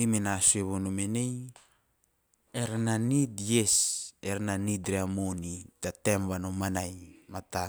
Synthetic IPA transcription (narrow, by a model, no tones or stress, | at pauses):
imenasueβonomenej | eɾananitjeseɾananitɾeamonidatemβanomanajmat̪a